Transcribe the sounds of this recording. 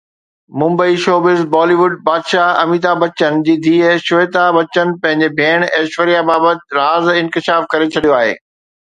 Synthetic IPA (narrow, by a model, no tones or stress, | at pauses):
mʊ̃mbəiʃoːbɪzbɔːliʋʊɖ̚baːd̪ʃaɐmiːt̪abɐt͡ɕənd͡ʑiːd̪ʱiːʃʊʋeːt̪abɐt͡ɕənɪ̆pɐ̃ɦɪ̃ɲd͡ʑebʱeːɽ̃eːʃʋəɾijabaːbət̪̚ɾaːzɪ̃nkɪʃaːfkɐɾet͡ɕʰɐɗijoaːɦḛː